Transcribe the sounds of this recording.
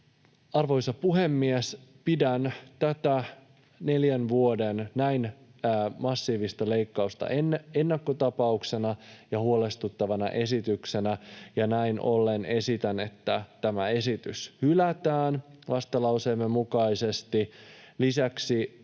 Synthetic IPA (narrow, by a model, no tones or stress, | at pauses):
ɑrʋo̞jsɑpuɦe̞mːiespidænt̪æt̪æ | ne̞ljænʋuo̞dennæjnː | mɑsːiːʋist̪ɑle̞jkːɑust̪ɑ̰ʔene̞nːɑkːot̪ɑpɑukse̞nɑjɑhuo̞le̞st̪ut̪ːɑʋɑnɑ̰ʔe̞sit̪ykse̞næjɑnæinʔo̞̰lːe̞ne̞sit̪æne̞t̪ːæt̪æmæe̞sit̪yshylæt̪æːnʋɑst̪ɑlɑuseːmːe̞mːukɑise̞st̪ilisæksi